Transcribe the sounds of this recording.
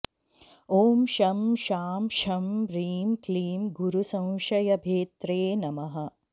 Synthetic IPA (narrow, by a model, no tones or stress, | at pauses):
oːmʃɐmʃaːmʃɐmɾiːmkliːmɡuɾusɐ̃w̃ʃɐjɐbʱeːt̪ɾeːnɐmɐɦɐ̆